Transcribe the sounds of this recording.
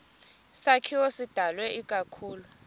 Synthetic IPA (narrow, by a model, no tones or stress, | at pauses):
sakʰiwɔsid̥ʱalwɛʔikʼakʰuːlu